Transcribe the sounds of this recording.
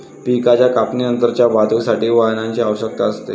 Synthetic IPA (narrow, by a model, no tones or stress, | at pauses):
pikat͡ɕjakapninənt̪əɾt͡ɕjabad̪ʱusaʈiːʋaɦnaɲt͡ɕiaʋəɕək̚t̪aəst̪e